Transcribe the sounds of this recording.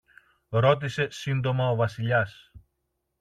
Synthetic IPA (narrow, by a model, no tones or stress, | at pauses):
ɾo̞t̪̬ise̞sind̪o̞mɐovɐsiʎɐs